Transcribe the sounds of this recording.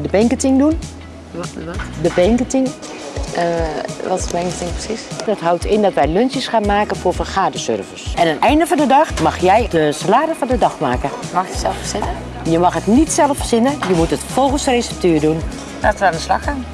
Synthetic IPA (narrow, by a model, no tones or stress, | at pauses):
dəbɛŋkətɪŋdun | dəbɛŋkətɪŋ | ʋɔtɪsəbɛŋkətɪŋprə̥sisd̥ɔtɦawtʰɪndɔtʋɛjlønsjəsxaːnmaːkənfoːrfərxaːdəsø̰rvəsɛnəntɛjndəfɔndədɑxmɑxjɛjdəsəlaːdəfɔndədɑxmaːkəmɑxəsɛlˠəfəsɪnə | jəmɑxətnitsɛlˠəfəsɪnəjəmutətfolˠɣənsəresɛp̚tøːrdun | laːtəəandəslɑxaːn